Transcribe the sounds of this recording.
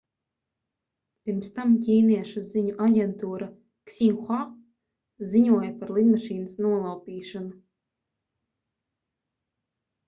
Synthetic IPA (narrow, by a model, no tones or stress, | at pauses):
piɾmst̪amcʲiːniɛʃuziɲuʔaɟʲɛnt̪uːɾa | ksʲiŋxa | ziɲuɔjapaɾlˠid̪maʃiːnasnuɔlˠawpʲiːʃanu